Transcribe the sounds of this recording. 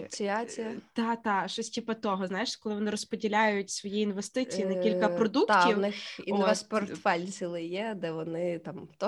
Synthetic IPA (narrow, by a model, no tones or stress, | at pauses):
t͡sʲiat͡sʲijɐt̪ɑt̪ɑʃɔsʲtʲipɐt̪ɔɦɔznajɪʃkɔlˠɪʋɔnɪɾɔspɔdʲilʲajʊtʲsʋɔjiinʋest̪ɪijinɛkʲilʲkɐpɾɔd̪uk̪tʲiwnɪxinoʋɛspɔrt̪fɛlʲsʲilˠɪjɛd̪ɛʋɔnɪt̪ɑmt̪ɔ